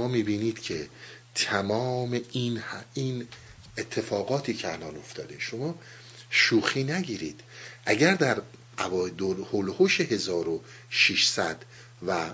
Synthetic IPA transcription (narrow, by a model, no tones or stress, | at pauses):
oɒːmiːbiːniːd̪̥cʰe̞ | t̪ʰæmɒːme̞inhin | et̪ʰːe̞fɒːɣɒːt̪ʰiːcʰeælɒːno̞ft̪ʰɒ̰ːd̪e̞ʃomɒː | ʃuːxiːnæɟiːɾiːd̪̥ʔæɟæɾd̪æɾ | ʔævɒːd̪olholhoʃeɦe̞zɒːɾo | ʃiʃsæd̪̥ | væ